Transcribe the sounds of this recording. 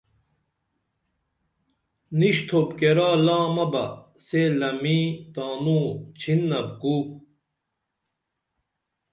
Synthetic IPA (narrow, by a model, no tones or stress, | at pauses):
niɕt̪ʰobkeɾaːlaːmɐbɐ̰selɐmit̪aːnuːt͡ɕʰinːɐb̚kuː